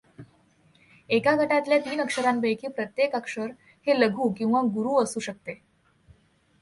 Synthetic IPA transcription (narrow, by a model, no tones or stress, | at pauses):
ekaɡʱəʈat̪ljat̪iːnəkʂəɾambəjkʰiːpɾət̪jekəkʂəɾ | heləɡʱuːkĩw̃ʋaɡuɾuːəsuːɕək̚t̪e